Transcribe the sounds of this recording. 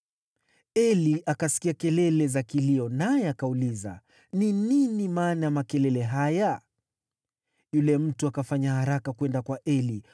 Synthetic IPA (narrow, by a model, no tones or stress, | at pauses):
ɛliʔakasi̥kiakɛlɛlɛzakiliɔnajɛakauliza̰ | nininimaːnajamakɛlɛlɛɦaja | julɛm̩tuakafaɲahaɾakakwɛndakwaʔɛli